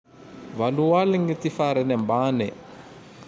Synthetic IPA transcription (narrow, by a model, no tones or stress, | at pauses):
valuwaliŋɡitifaɾɛnɛmbaːnɛ